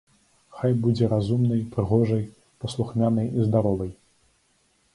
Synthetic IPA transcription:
xajbud͡zʲɛɾazumnɐjpɾɨɣɔʐɐj | pɐslˠuxmʲanɐjizd̪aɾɔvɐj

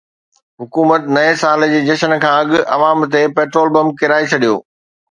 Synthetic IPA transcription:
ɦʊkuːmət̪nɐesaːld͡ʑeːd͡ʑɐʃənkʰãːɐɠʊʔɐ̰ʋaːmt̪̬epeːʈɾoːlbɐ̃mb̚kɪɾaːet͡ɕʰɐɗijo̰ː

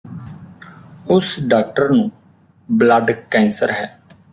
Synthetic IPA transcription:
ʊsɖaːk̚ʈəɾnũː | blaɖkɛ̃ːnsəɾɦɛː

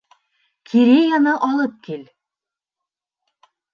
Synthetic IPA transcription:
kʰiɾejanɤʔɒlˠɤp̚kil

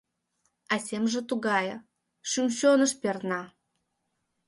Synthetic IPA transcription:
asʲemʒə̆t̪uɡɑjə | ʃymʲɕonə̆ʃpʲernɑ

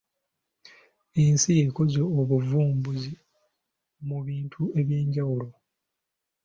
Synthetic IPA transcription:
ensijeko̞zoːβuvuːmbuzi | muβiːntʰue̞βje̞ːɲɟawulo̞

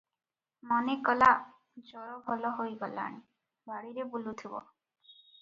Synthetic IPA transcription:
mɔnekɔla | d͡ʒɔɾɔbʱɔlɔɦojɡɔla̰ɽ̃i | baɽiɾebulut̪ʰibɔ̰

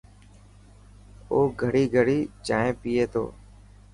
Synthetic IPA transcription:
oːɡʱəɽiːɡʱəɽiːt͡ʃaːɦẽːpiːeːt̪ʰo̰ː

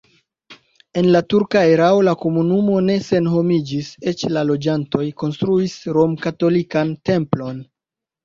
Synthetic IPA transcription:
e̞nlatuɾkae̞ɾao̞lako̞munumo̞ne̞se̞nɦo̞mid͡ʒise̞t͡ʃlalo̞d͡ʒanto̞jko̞nstɾuisɾo̞mkato̞likante̞mplo̞n

